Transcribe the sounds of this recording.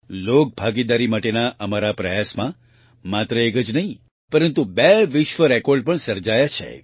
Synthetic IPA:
lok̚bʱaɡid̪aɾimaʈenaʔəmaɾapɾəjasmã | mat̪ɾəekəd͡ʒnəɦĩ | pəɾənt̪ubeʋɪʃʋəɾɛkɔɾɖ̚pəɳsəɾd͡ʒajat͡ʃʰḛ

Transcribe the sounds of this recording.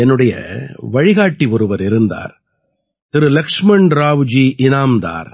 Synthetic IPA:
ɛnːɯɽɐjɐ̰ʋɐɻɪɣaːʈːiʋɔɾɯʋɐɾɪɾɯnd̪a̰ːɾ | t̪ɪɾɯlɐkʂmɐɳɖɾaːʋd͡ʒiːʔɪnaːmd̪a̰ːɾ

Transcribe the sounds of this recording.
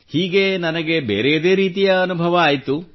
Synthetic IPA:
hiːɡe̞nɐnɐɡe̞bḛːɾejɐd̪e̞ːɾiːt̪ijɐːnubʱɐʋɐaːjt̪u

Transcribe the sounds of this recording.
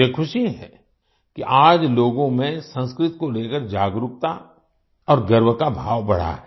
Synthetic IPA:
ekʰʊʃiɦɛ̰ | kiʔaːd͡ʒloːɡõmẽsə̃nskɾɪt̪koleːkəɾd͡ʒaːɡɾʊk̚t̪a | ɔːɾɡəɾwkabʱa̰ːʋbɐɽ̤a̰ɦɛ

